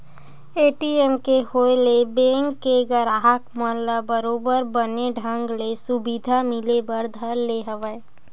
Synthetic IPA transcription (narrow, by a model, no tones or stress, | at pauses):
eːʈiemkeholebẽŋkːeɡəɾaɦəkmələbəɾoːbəɾbəneɖʱə̃ŋɡlesubid̪ʱamɪlebəɾd̪ʱəɾleɦəʋəe